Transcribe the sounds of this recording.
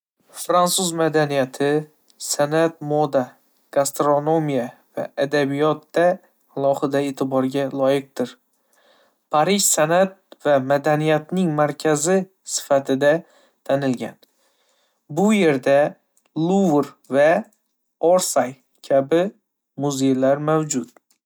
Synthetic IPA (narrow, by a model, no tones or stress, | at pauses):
fɾansuzmad̪anijat̪ʰɪ | sanat̪̚mɒd̪a | ɡ̥ast̪ɾono̞mijava̰ʔad̪abijɒt̪̚d̪aː | lˠɒhɨd̪ae̞ːt̪ʰɪbɒɾɡʲalˠɒjɪq̚d̪ɪɾ | pʰaɾɪʃsanat̪̚vamad̪anijat̪nɪŋmaɾkʲʰazɪ | sɪ̥fat̪ʰɪd̪a | t̪ʰanɪlɡʲa̰n | bʊje̞ɾd̪a | lˠuvɾ | va | oɾsaj | kʲʰabɪ | mʊze̞jlaɾmawd͡ʒʊt̪̚